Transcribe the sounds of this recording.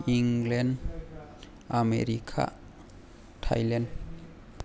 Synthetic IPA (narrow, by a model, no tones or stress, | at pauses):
iŋlɛn | amḛɾikʰa̰ | tʰajlen